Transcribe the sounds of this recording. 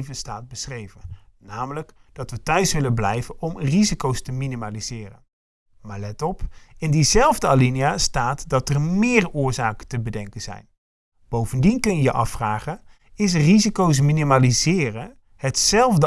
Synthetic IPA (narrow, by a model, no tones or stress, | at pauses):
vəstaːt̚bəsχrejvənnaːmələkd̥ɑtʋətœɥsʋɪlənblɛjvənɔmrizikowstəminimalizɪːrə̰n | maːɹlɛtɔpɪndizɛlˠvdəalinijastaːtdɑtərmɪːrʊːɹzaːkəntəbədɛŋkənz̥ɛ̰jn | b̥owvəndinkənjəjəʔɑfraːχən | ɪs̬rizikows̬minimalizɪːrə | hətsɛlˠvdə